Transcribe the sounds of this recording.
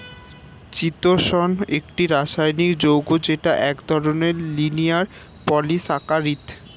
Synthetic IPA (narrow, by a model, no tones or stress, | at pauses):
t͡ɕit̪oʃɔnek̚ʈiɾaʃajnikd͡ʑowɡod͡ʑeʈaʔɛkd̪ʱɔɾoneɾlinijaɾ | pɔlisakaɾit̪